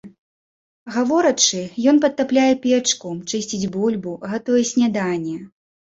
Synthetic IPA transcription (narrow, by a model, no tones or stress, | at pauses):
ɣavɔɾɐt͡ʂɨjɔnpɐt̪̚ːaplʲajɛpʲɛt͡ʂkut͡ʂɨsʲt͡sʲid͡zʲbulʲbuɣat̪ɔjɛsʲnʲad̪anʲːɛ